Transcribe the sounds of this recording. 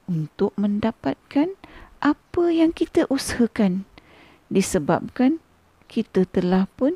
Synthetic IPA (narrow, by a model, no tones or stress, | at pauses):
unt̪ʊk̚mə̃ndapat̪̚kanʔapəjaŋkit̪əʔushəkan | disəba̰p̚kan | kit̪ət̪əlahpʊn